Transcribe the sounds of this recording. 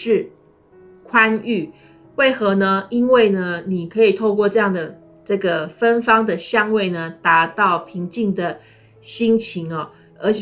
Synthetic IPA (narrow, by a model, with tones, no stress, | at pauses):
ʂɻ̩˥˨ | kʰwa˥˦ny˥˩ | we˥˩ɪxɤ˧˥nə˧i˥nwe˥˩ɪnə˩ni˨˩kʰɤ˧˦˥i˨˩t̪ʰo˥˧ʊkwɔ˥˧ʈ͡ʂɤ˥˧jɑ˥˩ŋd̪ə˩ | ʈ͡ʂɤ˥˩ɡə˩fə˦˥nfɑ˥ŋd̪ə˨ɕjɑ˥˧ŋwe˥˩ɪnə˩t̪a˧˥t̪ɑ˥˩ʊpʰi˧˥˦ŋt͡ɕi˥˩ŋd̪ə˩ | ɕi˥ŋt͡ɕʰi˧˥ŋɐ˨ | ə˧˥t͡ɕ